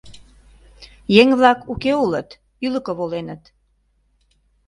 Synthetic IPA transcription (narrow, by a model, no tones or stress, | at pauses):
jeŋβlɑkukeulət̪ | yləkəβolenət̪